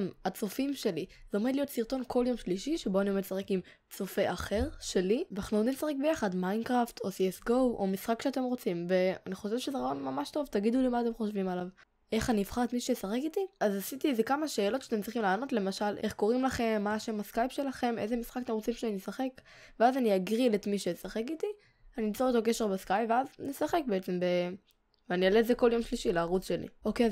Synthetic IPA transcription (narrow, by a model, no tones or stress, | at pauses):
mat͡so̞fimʃe̞liz̥eo̞med̪lijo̞t̪siʁt̪o̞nkʰo̞ljo̞mʃliʃiʃebo̞anio̞medsaʁekim | t͡so̞fe̞ʔaχe̞ʁʃe̞liveaχnod̪isaχek̚be̞jaχadmajnkʁaft̪ʰosiesɡo̞wʔomisχakʃeat̪e̞mʁo̞t͡simve̞a̰niχo̞ʃevʃezeʁaonmamaʃt̪o̞vt̪aɡid̪ulimaːt̪e̞mχo̞ʃvimalav | ʔe̞χaniːfχaʁet̪miʃu̥ʃesaχekit̪iazasit̪izekamaʃe̞ːlo̞tʃeat̪emtt͡s̪ʁiχimlaːno̞t̪le̞maʃalʔe̞χko̞ʁimlaχe̞mːaːʃe̞maskajpʃe̞laχe̞me̞zemisχakat̪emʁot͡simʃeaniisaχe̞k | veazaniaɡʁilet̪miʃejsaχekit̪i | aniit͡soot̪okeʃeʁbeskajpveaznesaχe̞k̚beet͡se̞mbe | veanialezeko̞ljo̞mʃliʃilaːʁut͡sʃe̞lḭoke